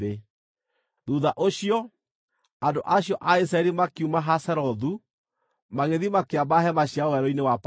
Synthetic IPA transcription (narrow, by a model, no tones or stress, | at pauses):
e | ðuːðaʔoɕiɔ | andoʔaɕjɔʔais̬ɾaɛɾimakiumaɦasɛɾɔðu | maɣeðimakeabaɦɛmaɕjawɛɾɔinewap